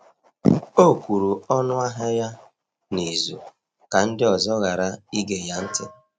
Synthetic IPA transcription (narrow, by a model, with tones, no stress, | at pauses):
o˦˨kʷu˨ɾu˨ɔ˦nʊ˦a˦ɦa˦ja˦ | ni˨zṵ˨ | ka˨n̩˦dɪ˦ɔ˨zɔ˦ɣa˨ɾa˦i˦ɡe˨ja˦n̩˦tɪ˦